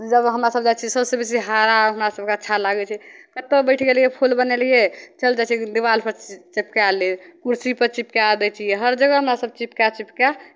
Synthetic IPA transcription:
d͡ʒəbɦəmɾasəb̚d͡ʒat͡ʃʰisəbsebisiɦaɾaɦəmɾasəb̚keətːʃʰalaɡɛt͡ʃʰɛkət̪ːebəɪʈʰɡelijepʰolbənelijet͡ʃəld͡ʒat͡ʃʰɛd̪iʋalpəɾt͡ʃipkealikuɾsipəɾt͡ʃipkead̪ɛt͡ʃʰijeɦəɾd͡ʒəɡəɦəmɾasəb̚t͡ʃipkat͡ʃipka

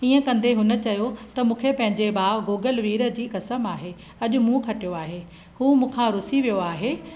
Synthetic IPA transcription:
iːə̃kɐ̃nd̪eɦʊnə̆t͡ɕɐjot̪ɐmũːkʰepɐ̃ɦɪ̃ɲd͡ʑebaːɡoːɡəlʋiːɾə̆d͡ʑiːkɐsəmaːɦeː | ɐʄʊ̆mũkʰɐʈijoaːɦeː | huːmũːkʰãɾʊsiʋijoaːɦeː

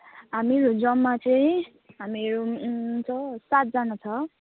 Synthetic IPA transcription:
ɦameɾod͡zʌmːat͡saĩ | ɦameɾot͡sʰʌsat̪̚d͡zanʌt͡sʰʌ

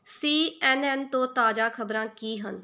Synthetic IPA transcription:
siːɛːnɛːnt̪õːt̪aːd͡ʒaːkʰəbɾãːkiːɦə̰n

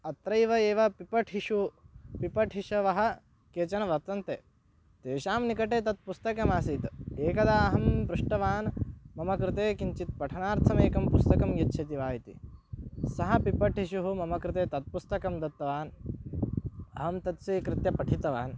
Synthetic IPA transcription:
ɐt̪ɾɐjʋɐeːʋɐpipɐʈʰɦiʃupipɐʈʰɦiʃɐʋɐɦɐ̆ | keːt͡ʃɐnɐʋɐɾt̪ɐnt̪eː | t̪eːʃaːmnikɐʈeːt̪ɐt̪̚pust̪ɐkɐmaːsiːt̪eːkɐd̪aːɐɦɐmbɾuʂʈɐʋaːnmɐmɐkɾɪt̪eːkiɲt͡ʃit̪̚pɐʈʰɐnaːɾt̪ʰɐmeːkɐmpust̪ɐkɐmjɐtːʃʰɐt̪iʋaːjit̪ḭ | sɐɦɐpipɐʈɦiʃuɦumɐmɐkɾɪt̪eːt̪ɐt̪̚pust̪ɐkɐmd̪ɐt̪ːɐʋaːn | ɐ̰ɦɐmt̪ɐt̪siːkɾɪt̪jɐpɐʈʰit̪ɐʋa̰ːn

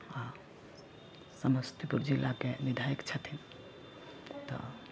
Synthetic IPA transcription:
a | səməst̪ʰipuɾd͡ʒilːakenid̪ʱaikt͡ʃʰət̪ʰin | t̪ɔ̰

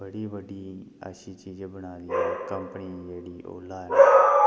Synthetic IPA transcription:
bəɽiːbəɖiːa̰ːʃiːt͡ʃiːd͡ʒbəɽ̃aːliːɛːkəmpəniːd͡ʒeːɽiːʔo̰ːlːaː

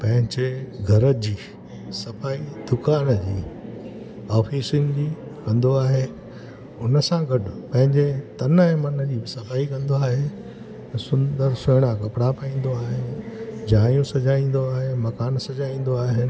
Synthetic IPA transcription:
pɐ̃ɦɪ̃ɲd͡ʑeɡʱɐɾəd͡ʑiː | sɐfaːid̪̥ʊkaːnd͡ʑiː | ɔːfiːsɪnd͡ʑiːkɐ̃nd̪oaːɦeː | ʊnəsãɡɐɖʊpɐ̃ɦɪ̃ɲd͡ʑet̪ɐnẽmɐnəd͡ʑiːbɪsɐfaːikɐ̃nd̪oaːɦe | t̪ɐsʊ̃nd̪əɾsʊɦɪɽ̃akɐpɪɽapɐĩːn̆d̪oaːɦɪnɪd͡ʑaːjũsɐd͡ʑaːĩːn̆d̪oaːɦemɐkaːnsɐd͡ʑaːĩːn̆d̪oaːɦe

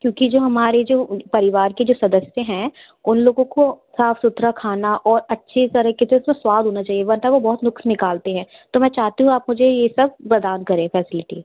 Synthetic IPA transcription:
kjõːkid͡ʒoːɦɐmaːɾed͡ʒoːpɐɾɪʋaːɾked͡ʒoːsɐd̪əsjẽɦɛ̃ː | ʊnloːɡõkosaːfʰsʊt̪ɾakʰaːnaʔɔːɾɐtːʃʰit̪ɐɾəkɪt̪eʊsmẽswaːd̪ʱɦoːnat͡ʃaːɦieʋɐɾnt̪aʋobɔːt̪nʊkʃnɪkaːlt̪eɦɛ̃ːt̪oːmɛ̃ːt͡ʃaːɦt̪iɦũaːpmʊd͡ʒʱejesɐb̚pɾɐd̪aːnkɐɾẽːfɛːsɪlɪʈi

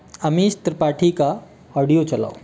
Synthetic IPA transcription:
amist̪ɾəpaʈʰika | ɔɽijot͡səla̰w

